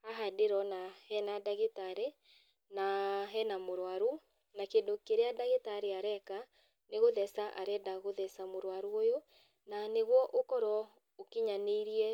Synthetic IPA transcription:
aɦadeɾɔnahɛnadaɣetaɾe | naɦɛnamoɾwaɾu | nakeːndokeɾeadaɣetaɾeaɾɛka | neɣoðɛsaʔa̰ɾɛdaɣoðɛsamoɾwaɾuojo | naneɣwɔʔokɔɾwɔ | okeɲaneiɾiɛ

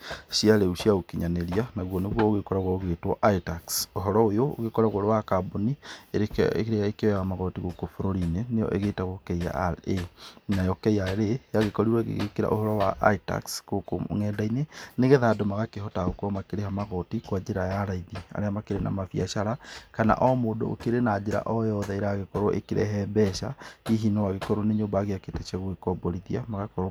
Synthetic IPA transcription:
siaɾeuɕiaokiɲaneɾianaɣwɔneɣwɔoɣekɔɾaɣwɔoɣetwɔʔaitaksoɦɔɾɔojoo̰ɣekɔɾaɣwoɾowakabonieeɾeaekewɛɣamaɣɔtiɣokofoɾoɾinenejɔ̰ʔeɣetaɣokɛia̰ɾenajɔkɛiaɾejaɣekɔɾiɾwɔɣḛɣekeɾa̰ʔo̰hɔɾɔwaʔa̰ita̰kskoko̰ŋɛːdaineneɣeðadomaɣakeɦɔtaɣokɔmakeɾehamaɣɔtikwad͡ʒeɾajaɾaiðia̰ɾeamakeɾena̰mafia̰ʃaɾakana̰ʔɔmodo̰o̰keɾenad͡ʑeɾa̰ʔɔjɔðaeɾaɣekɔɾoʔḛkeɾɛ̰ɦɛbɛʃa̰iɦinɔwaɣekɔɾoneɲoːmbaɣeaketɛt͡ʃaɣoekɔbɔɾiðiamaɣakɔɾ

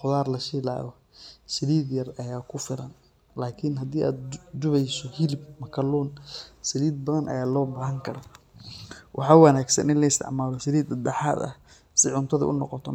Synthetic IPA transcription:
χʊðaːrlɐʃɪla̰ːɣɔ | sɪliːd̪jɐrɐjaːkʰʊfɪɾɐ̰n | laːkʰɪnɦɐd̪iːʔa̰ːd̪̚d͡ʒʊβɛjsɔhɪlɪb̚mɐkʰɐluːnsɪliːd̪̚bɐðɐnʔɐ̰jaːlɔːbaːɦɐŋkʰɐɾɐ | wʔɑħɑːwɑnaːɡsɐ̰nɪnlɐɪst̪ʰɪ̰ʕmaːlɔsɪɾiːd̪ɐd̪ɛħa̰ːd̪ɐ̰h | sɪʕʊnt̪ʰɐðɐ̰ʔʊ̰nɔqɔt̪ʰɔ

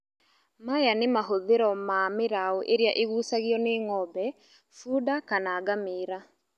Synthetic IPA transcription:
majanemaɦoðeɾɔmameɾaɔʔeɾeaʔeɣuːsaɣiɔneŋɔbɛ | fuːdakanaːɡameːɾa

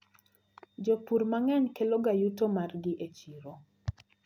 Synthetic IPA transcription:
d͡ʒopuɾmaŋɛɲkeloɡajutomarɡɪʔet͡ʃiɾo

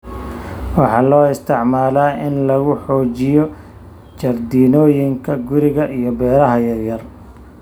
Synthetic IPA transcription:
wɑħɑːlɔːɪst̪ʰɪʕmaːlaːʔɪnlɐɣʊħɔːt͡ʃɪjɔ | t͡ʃɐrd̪iːnɔːjɪŋkʰɐɡʊɾɪɣɐʔijɔbɛːɾɐɦɐjɐrjɐr

